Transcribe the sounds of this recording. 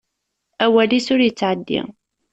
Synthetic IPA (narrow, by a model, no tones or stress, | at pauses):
æwælisʊɾjət͡sːʕəd̪ːḭ